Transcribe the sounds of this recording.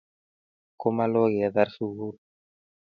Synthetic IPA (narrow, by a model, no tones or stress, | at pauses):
komaloɣiaðaɾsuɣuɾ